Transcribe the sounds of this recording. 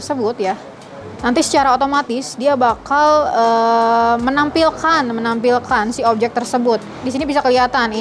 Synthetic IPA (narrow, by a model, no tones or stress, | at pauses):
səbʊt̪̚ja | nant̪isə̥t͡ʃaɾaot̪omat̪ɪsdiabakalə | mənampilkanmənampilkansiop̚d͡ʒɛk̚t̪ərsəbʊt̪̚disinibisakəliat̪an